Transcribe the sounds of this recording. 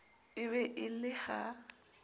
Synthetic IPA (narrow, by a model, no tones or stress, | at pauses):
ɪβɛʔɪlɪha